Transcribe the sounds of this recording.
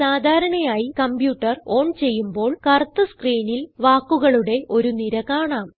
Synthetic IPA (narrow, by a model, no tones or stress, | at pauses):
saːd̪ʱaːɾɐɳɐjaːjikɐmpjuːʈːɐro̞ːɳt͡ɕe̞jːumbo̞ːɭkɐrt̪ːɨskriːnilʋaːkːuɣɐɭuɽe̞ʔo̞ɾuniɾɐkaːɳaːm